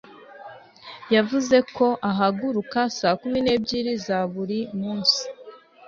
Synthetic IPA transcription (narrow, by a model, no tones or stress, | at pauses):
javuze̞kʰo̞ʔaɦaɡuɾukasaːkumine̞ːbɟiːɾizaβuɾimuːnsi̥